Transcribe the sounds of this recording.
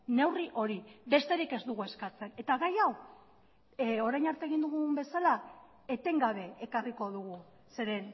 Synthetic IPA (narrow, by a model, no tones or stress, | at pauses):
ne̞wriʔo̞ɾiβe̞st̪e̞ɾike̞zd̪uɣue̞skat͡se̞ne̞t̪aɣajaw | o̞ɾajnaɾt̪eɣ̞ind̪uɣumbe̞sala | e̞t̪e̞ŋɡaβe̞ːkariko̞ðuɣ̞u | se̞ɾe̞n